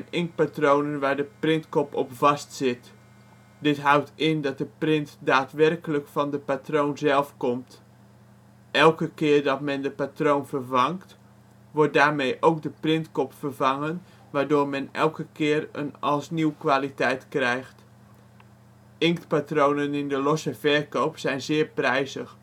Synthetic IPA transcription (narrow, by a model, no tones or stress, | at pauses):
ɛnɪŋk̚patrownənʋaːɹdəprɪntkɔpɔpvɑstsɪt | dɪtɦʌwtɪndɑt̚dəprɪntdaːtʋɛrkələkfɑndəpatrownzɛlˠfkɔmt | ɛlˠkəkɪːrdɑtmɛndəpatrownvərvɑŋkt | ʋɔɹt̚daːɹmejʔowk̚dəprɪntkɔpfərvɑŋən | ʋaːɹdʊːɹmɛnɛ̰lˠkəkɪːrə̰nɑlˠsniwkʋaːlitɛjtkrɛjχt | ɪŋktpatrownənɪndəlɔsəvɛrɹkowpsɛjnzɪːɹprɛjzəx